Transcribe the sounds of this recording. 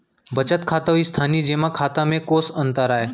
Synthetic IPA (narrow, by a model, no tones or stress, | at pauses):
bət͡ʃət̪kʰaːt̪aɦiːst̪ʰaːniːd͡ʒeːmãkʰaːt̪ãmẽkosənt̪əɾaːɦe